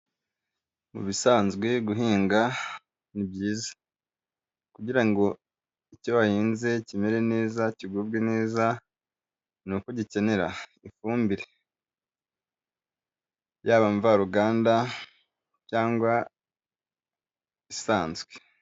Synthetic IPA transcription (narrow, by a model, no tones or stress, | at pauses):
mṵβisaːnzɡwe̞ɡuɦiːŋɡa | nibɟiːzḁ | kuɟiɾaŋɡo̞ | icoβahiːnze̞cime̞ɾe̞neːzaciɡubɡweneːza | nukoɟice̞ne̞ɾaifuːmbiɾe | jaːβaɱvaɾuɡaːnda | caːŋɡwa | isaːnzɡwe